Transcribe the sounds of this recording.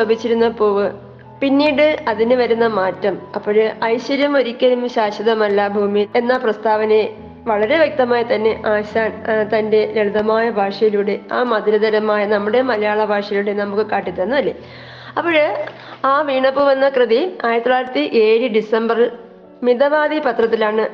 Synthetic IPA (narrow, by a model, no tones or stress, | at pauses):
lɐbʱit͡ɕːiɾunːɐpo̞ːʋɨ | pinːiːɽɨɐðinɨʋɐɾunːɐmaːtːɐmɐpːoɻɨɐjɕʋɐɾjɐmo̞ɾikʲːɐlumɕaːɕɐðɐmɐlːabʱuːmijile̞nːaprɐst̪aːʋɐne | ʋɐɭɐɾe̞ʋje̞k̚t̪ɐmaːjɐt̪ɐnːe̞ʔaːɕaːnt̪ɐnde̞leɭd̪ɐmaːjɐbʱaːʂɐjiluːɽe̞aːmɐd̪ɐɾɐd̪ɐɾɐmaːjɐnɐmːuɽe̞mɐlɐjaːɭɐbʱaːʂɐjluːɽenɐmukːɨkaːʈːit̪ːɐnːɐɐlːe | ɐpːoːɻ | aːʋiːɳɐpːuʋɐnːɐkrɨðiaːjiɾɐt̪ːɭaːjiɾɐt̪ːiʔe̞ːɻɨɖisɐmbɐri | miðɐʋaːd̪ipɐt̪rɐt̪ːilaːɳɨ